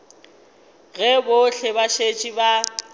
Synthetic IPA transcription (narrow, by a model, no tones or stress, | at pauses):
ɣɛboɬʰebaʃet͡ʃʼiba